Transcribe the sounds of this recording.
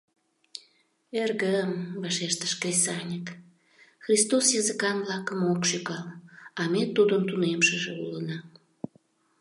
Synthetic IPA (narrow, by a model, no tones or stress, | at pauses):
erɣəmβɑʃeʃt̪ə̥ʃkrʲesɑnʲək | xrʲist̪osjɑzəkɑnβlɑkəmokʃykɑlɑmet̪ud̪əmt̪unemʃəʒeṵlənɑ